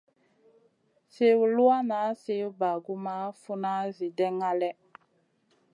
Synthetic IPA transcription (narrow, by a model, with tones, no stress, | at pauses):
se˦wu˨lu˦a˦na˨˦se˦u˦ba˨ɡu˦ma˦fu˦na˦zi˨dɛ˦ŋa˦lɛ˦